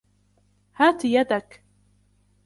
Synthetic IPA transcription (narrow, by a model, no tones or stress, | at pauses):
haːt̪jad̪ak